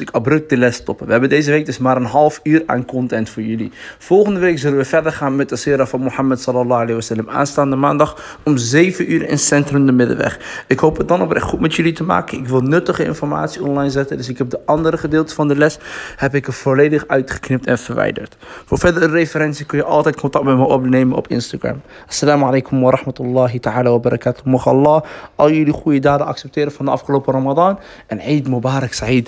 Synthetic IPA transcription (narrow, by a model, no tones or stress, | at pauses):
ɪkɑbrɵk̚dəlɛstɔpəʋəɦɛbəndejzəʋejk̚dɪsmaːɾənɦɑlˠfyːra̰ːnkɔntɛntfʊːɹjɵlḭfɔlˠχəndəʋejkzɵlənʋəvɛɹdəɹχaːnmɛt̚əsɪːɾaːfɑnmohamətsɑləlɑalejʋəsɛləmʔa̰ːnstaːndəma̰ːndɑχ | ɔmzejvənʔyːɾɪ̰nsɛntrəmdəmɪdə̰ʋɛ̰χɪkɦowpət̚dɑnɔprɛ̰χutmɛtjɵlitəma̰ːkənɪkʋɪlˠnɵtəχəɪ̰nfɔɹma̰ːtsiɔnlɑjnzɛtəndɵsɪkɦɛp̚dəʔɑndəɾəχədɪːlˠtəvɑndəlɛshɛpɪkəv̥olejdəχœɥtχə̥knɪp̚tɛnv̥əɹʋɛ̰jdə̰ɹtfʊːɹvɛdərərefəɾɛnsikɵnjəʔɑlˠtɛjt̚kɔntɑk̚tmɛməjʔɔpnejmənɔ̰pɪ̰nstaɡra̰m | ʔɑ̥sːalaːmalejkɔmʋɑɾɑχmətʊlˠːɑːɦitəaːlaːʋabɑɾˤʔɑ̰kaːtʊmɔχɑ̰lˠːɑːʔɑlˠjɵliχujədaːdəɑ̰ksɛp̚tɪːɾəvɑndəɑfχəlowpərɑmɑdɑːn | ʔɛniːdmubaːɾɑksaʕid